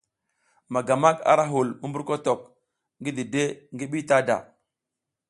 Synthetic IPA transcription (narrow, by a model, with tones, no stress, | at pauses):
ma˨ɡa˨ma˦ka̰˦ɾa˦ɦu˨lmu˦mbu˦ɾko˦to˨k̚ | ŋɡi˦di˨de˦ŋɡi˦ɓi˦ta˦da̰˨